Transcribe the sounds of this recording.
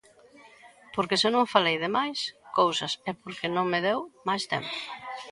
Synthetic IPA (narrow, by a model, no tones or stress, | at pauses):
poɾkɪsɪnõŋfalejðɪmajskowsɐsɛpoɾkɪnõŋmeðewmajst̪ḛmpʊ̥